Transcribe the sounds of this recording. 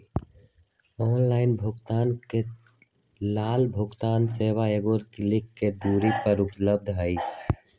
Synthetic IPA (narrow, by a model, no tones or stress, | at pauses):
ɔːnlaːɪnbʱʊɡt̪aːnke | laːlbʱʊɡt̪aːnseːwaeɡoːɾkɪlɪkːed̪uːɾipəɾʊpləb̚d̪ʱɦəj